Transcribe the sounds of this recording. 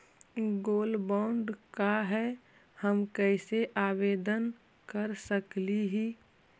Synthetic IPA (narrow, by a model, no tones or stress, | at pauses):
ɡoːlbaʊɳɖkaɦɛ | həmkɛɪseʔaːʋeːd̪ən | kəɾsəkliɦiː